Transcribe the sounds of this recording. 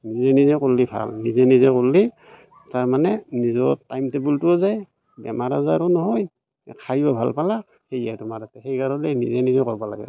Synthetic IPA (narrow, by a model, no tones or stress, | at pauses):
nizɛnizɛkolːibʱa̰lnizɛnizɛkolːi | taɹmanɛnizɔtajmtɛbultuɔzaj | bɛ̰maɹazaɹɔnɔɦɔj | kʰajɔbʱa̰lpalak̚ | hejadɔmaɾatɛɦejɡaɹɔlɛnizɛnizɛkɔɹbala̰ɡɛ̰